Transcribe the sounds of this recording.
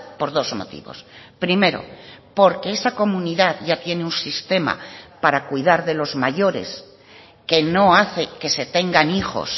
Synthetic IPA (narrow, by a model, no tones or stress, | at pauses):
po̞ɾðo̞zmo̞̰t̪ḭβo̞̰spɾime̞ɾo̞̰po̞ɾke̞esako̞mũniðaðʝat̪je̞neunsist̪e̞ma̰paɾakwuijðaɾðe̞lo̞zmaʝo̞ɾe̞̰s | ke̞no̞aθe̞ke̞se̞t̪e̞ŋɡanixo̞̰s